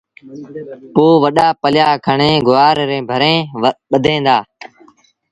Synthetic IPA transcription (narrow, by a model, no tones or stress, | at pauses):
poːʋəɗaːpəljaːkʰəɳẽːɡʊʋaːɾɾẽːbʱəɾẽːɓəd̪ʱẽːnd̪aː